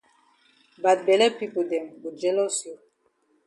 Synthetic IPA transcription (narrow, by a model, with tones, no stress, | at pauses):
ba˨t̚bɛ˨lɛ˦pi˦po˨dɛ˨mwu˨d͡ʒɛ˦lɔ˦so˨